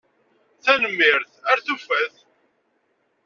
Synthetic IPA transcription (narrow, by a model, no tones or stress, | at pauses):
θænəmːɪɾθæɾθufæθ